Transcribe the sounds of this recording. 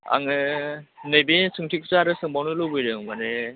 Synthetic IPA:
a̰ŋɯnɯjbesʰɯŋtʰik̚ʰsaɾɯsɯŋbawnɯlɯbɯjɾɯŋmane

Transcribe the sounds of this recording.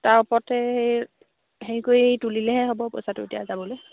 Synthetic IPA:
taɹupɔtɛhej | henikojetulilɛɦɛɦobɔpo̰jsatʊetijazabɔloj

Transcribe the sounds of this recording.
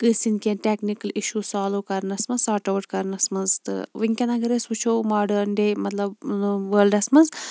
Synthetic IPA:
kɨsinkʲenʈʲeknikɐliʃusaːloːkɐɾnɐsmɐnsaːʈɐʋʈ̚kɐɾnɐsmɐnzt̪ɨ̰ʋiŋkʲɐnɐɡɐɾesʋut͡ʃʰowmaːɖɐnɖemɐt̪lɐbʋəːlɖɐsmɐnz

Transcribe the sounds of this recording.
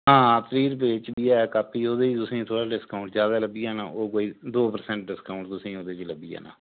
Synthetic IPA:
ɦãːt̪əɾiːɾbeːt͡ʃbiːɛːkaːpʰiːoːd̪eːt̪ʊsĩːt̪ʰoːɽaːɖɪskaʊɳʈzjaːd̪aːləbiːaːnaːoːkoːiːd̪oːpəɾsɛ̃ːɳʈɖɪskaʊ̃ɳʈt̪ʊsĩːoːd̪eːt͡ʃləbiːa̰ːna̰ː

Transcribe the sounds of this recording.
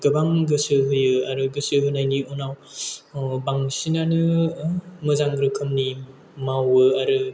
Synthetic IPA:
ɡɯbaŋɡɯsɯɦɯjɯaɾɯɡɯsɯɦɯnajniɔnaw | baŋsinanɯ | mɯzaŋɾɯkʰɯmni | mawɯaɾɯ

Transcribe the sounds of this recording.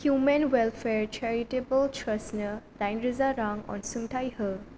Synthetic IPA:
hjumenwɛlfeɾt͡ʃɛɾiʈebəlt͡ʃʰəsnədãjnɾizaɾaŋɔ̰̃nsũŋt̪ʰajhə

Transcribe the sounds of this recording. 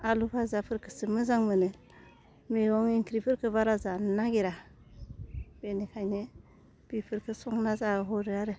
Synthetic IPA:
alupʰazapʰɯɾkʰɯsɯmɯzaŋmɯnɯ | miɾɔŋiŋkʰɾipʰɯɾkʰɯβaɾazannaɡeɾa | b̥enekʰajne | b̥ipʰɯɾkʰɯsɔŋnazaɯɦɔɾɯaɾɯ

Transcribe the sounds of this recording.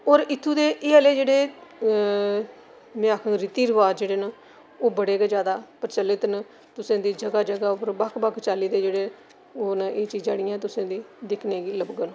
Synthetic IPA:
oːɾɪt̪ʰːuːd̪eːʔeːəleːd͡ʒeːɽeː | mɛ̃ːaːkʰãŋɾɪt̪iːɾɪʋaːd͡ʒeːɽeːnãː | oːbəɽeːɡeːd͡ʒjaːd̪aːpəɾt͡ʃəlːɪt̪n | t̪ʊsẽːd̪iːd͡ʒəɡaːd͡ʒəɡaːʊpəɾbəkʰbəkʰt͡ʃaːliːd̪eːd͡ʒeːɽeː | oːnaʔeːt͡ʃiːd͡ʒaːɽɪiːãɛːt̪ʊsẽːd̪iːd̪ɪkʰneːɡiːləbɡən

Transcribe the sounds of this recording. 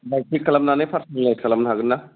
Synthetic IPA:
bɛʈʰikələmnãːnẽːpʰəɾsəlnẽkələmnɦəɡnaː

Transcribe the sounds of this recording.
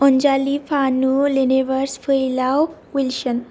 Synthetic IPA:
ɔnd͡ʑalifʰanuleneʋəɾsfʰəjilaw | ʋilɕən

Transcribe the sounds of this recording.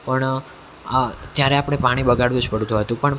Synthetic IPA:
pəɳ | t̪jaɾeapɽ̃epaɽ̃iɓəɡaɽʋũd͡ʒpəɽut̪uɦət̪ũpəɳ

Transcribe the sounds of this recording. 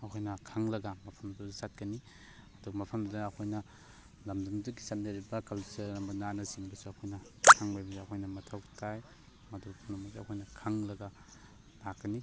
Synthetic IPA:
ɐkʰojnɐkʰaŋlɐɡɐmɐpʰɐmdɐusat̚kɐni | ɐduɡɐmɐpʰɐmdɐdaːkʰojnɐ | lɐmdɐmduɡisamdaɾibɐkɐlsɐɾɐmbɐnanɐsiŋbɐsuɐkʰojnɐkʰaŋbajmzaɐkʰojnɐmɐtʰawtʰaj | mɐdupʰunumaseɐkʰojnɐkʰaŋlɐɡɐ | nakɐni

